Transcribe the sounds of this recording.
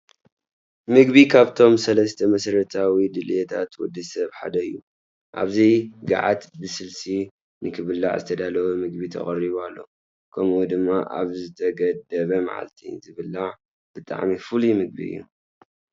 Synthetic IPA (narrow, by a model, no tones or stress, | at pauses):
mɨɡbikʰaβt̪ʰo̞msɐlɐst̪ʰɐmɐsɾɐt̪ʰawid̪ɨlet̪ʰat̪wɔd̪ːɨsɐβħa̰d̪ɐɨjːu | ʔa̰βzijɡa̰ʕa̰t̪bɨsɨlsi | nɨkʰɨβɨlːa̰ʕzɨt̪ʰɐd̪alɐwumɨɡ̚bit̪ʰɐ̰χʼɐɾiβalːo̞̰ | kʰɐmʔud̪ɨmːaʔa̰βzɨt̪ʰɐɡɐd̪ɐβɐma̰ʕa̰lt̪ʰinzʰɨβɨlːaʕ | b̥ɨt̪ʼa̰ʕmifɨlimɨɡ̚bḭɨ̰jːṵ